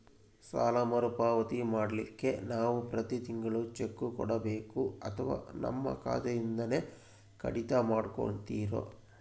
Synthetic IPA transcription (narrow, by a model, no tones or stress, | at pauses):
sa̰ːlɐmɐɾupaːʋɐt̪imaːɽɐlikːe̞naːʋupɾɐt̪it̪iŋɡɐɭut͡ʃekːukɔɽɐbeːkuɐt̪ʰɐʋa̰ːnɐ̰mːɐ̰ka̰ːt̪ɐjind̪ɐne̞ | kʰɐ̰ɽit̪ɐmaːɽko̰ɳt̪iːɾo̰